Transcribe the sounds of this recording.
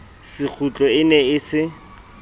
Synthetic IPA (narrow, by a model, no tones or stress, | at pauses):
sɪk͡xʰut͡ɬʼɔɪnɛɪsɪ